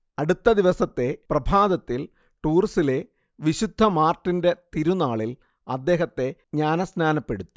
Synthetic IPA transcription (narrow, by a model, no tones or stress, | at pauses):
ɐɽut̪ːɐd̪iʋɐsɐt̪ːe̞prɐbʱaːd̪ɐt̪ːil | ʈuːrsile̞ | ʋiɕud̪ʱːɐmaːrʈːinde̞t̪iɾunaːɭil | ɐd̪ːe̞ːɦɐt̪ːe̞ɲaːnɐsnaːnɐpːe̞ɽut̪ːi̥